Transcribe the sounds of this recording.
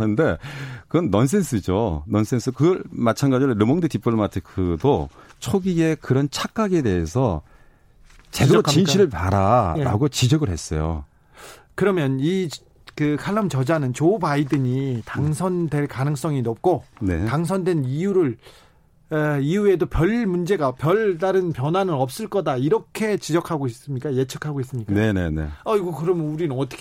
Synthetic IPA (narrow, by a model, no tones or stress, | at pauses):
ɯnde̞kɯɡʌnːʌns̬͈ʰe̞nsʰɯd͡ʑonʌns͈ʰensʰɯkɯɡʌɭmat͡ɕʰanɡad͡ʑiɾoɾɯmʌŋdɯtip͈ɯɭmatʰɯkʰɯdot͡ɕʰoɡie̞kɯɾʌnt͡ɕʰak͈aɡe̞de̞ɦesʰʌ | t͡ɕeot͡ɕinɕʰiɾɯɭpaɾaɾa̰ɡot͡ɕid͡ʑʌɡɯɭhe̞s͈ʌ̰jo̰ | kɯɾʌmjʌni | kɯkʰaɭːʌmt͡ɕʌd͡ʑanɯnt͡ɕobaidɯɲitaŋsʰʌndwe̞ɭkanɯŋs͈ʌŋinʌp̚k͈onḛtaŋs̬ʰʌndwe̞nijuɾɯɭ | eiue̞dopjʌɭmund͡ʑe̞ɡapjʌɭdaɾɯnpjʌnwanɯnʌp̚s͈ɯɭk͈ʌdaiɾʌkʰe̞t͡ɕid͡ʑʌkʰaɡois͈ɯmɲik͈aje̞t͡ɕʰʌkʰaɡois͈ɯmɲikkae̞nḛne̞̰aiɡokɯɾʌmjʌnuɾinɯnʌt͈ʌkʰ